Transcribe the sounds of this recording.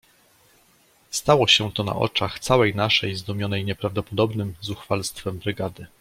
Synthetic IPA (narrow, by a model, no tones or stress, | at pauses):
st̪awɔɕɛt̪ɔna̰ʔɔ̰t͡ʂaxt̪sawɛjnaʂɛjzd̪ɔmʲjɔnɛjɲɛpɾavd̪ɔpɔd̪ɔbnɘmzuxfalst̪fɛmbɾɘɡad̪ɘ